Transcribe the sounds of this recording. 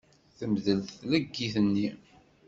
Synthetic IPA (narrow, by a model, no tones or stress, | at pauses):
θəmðəlθlæɡːiθənːi